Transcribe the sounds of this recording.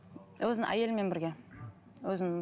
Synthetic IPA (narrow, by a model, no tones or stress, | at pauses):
wɵzɪnɪ̰ʔæ̰je̞lɪme̞nbɪɾɡʲe̞ | wɵzɪnɪŋ